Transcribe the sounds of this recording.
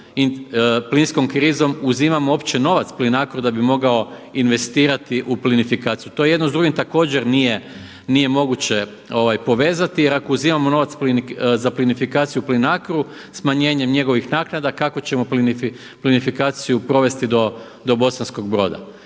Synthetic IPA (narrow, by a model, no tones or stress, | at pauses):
iplinsko̞mkɾizo̞muzimamooːpt͡ɕe̞no̞ʋat̪splinakɾud̪abimo̞ɡao̞inʋe̞st̪iːɾat̪iʔuplinifikaːt̪sijut̪o̞jeje̞d̪nozd̪ɾuɡimt̪ako̞ːd͡ʑeɾnije̞ | nije̞mo̞ɡut͡ɕe̞ | o̞ʋajpo̞ʋe̞ːzat̪ijeɾako̞uziːmamo̞no̞ːʋat̪splinzaplinifikaːt̪sijuplinakɾu | smaɲe̞ːɲe̞mɲe̞ɡo̞ʋixnaːknad̪akako̞t͡ɕe̞mo̞plini | plinifikaːt̪sijupɾo̞ʋe̞st̪id̪o̞ | d̪o̞bo̞sansko̞ɡ̚bɾo̞ːd̪a̰